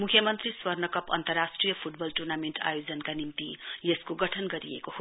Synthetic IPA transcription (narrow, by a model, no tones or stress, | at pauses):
mukʰjʌmʌnt̪riswʌrnʌkʌpʌ̰nt̪ʌrasʈrijʌpʰuʈbʌlʈurnameɳʈa̰jod͡zʌnkanimt̪ijeskoɡʌʈʰʌnɡʌɾḭḛkoho